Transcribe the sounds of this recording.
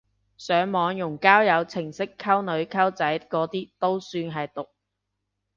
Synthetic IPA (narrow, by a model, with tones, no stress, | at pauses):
sœː˨˥ŋmɔː˨˧ŋjʊ˨˩ŋkaː˥wjɐ˨˧wt͡sʰɪ˨˩ŋsɪ˥kʰːɐ˥wnɵ˨˧ɥkʰɐ˥wt͡sɐ˨˥jkɔː˨˥t̪iː˥t̪o˥wsyː˧nɦɐ˨jt̪ʊ˨k̚